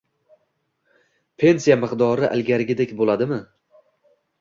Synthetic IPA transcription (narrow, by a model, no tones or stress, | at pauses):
pʰe̞nsijamɨqd̪ɒɾɪʔa̰lɡʲaɾɡʲɪd̪ekʲbolad̪ɪmɪ